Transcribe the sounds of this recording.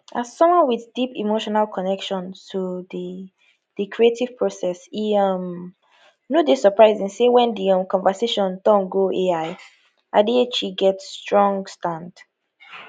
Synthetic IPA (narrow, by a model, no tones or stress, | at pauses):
ʔaz̥sɔ̃mwɔ̃nwiðdipḭmoʃɔnalˠkʰɔnɛkʃɔ̃ntʰuði | dəkʰɹietiv̥pʰɹosɛsiʌm | nodesəpʰɹaɪzĩnsewɛ̃ndiʌ̃mkʰɔ̃nvəseʃɔ̃ndɔ̃nɡoʔeaɪ | ʔadiet͡ʃiɡɛtstɹɔ̃ŋɡstãnd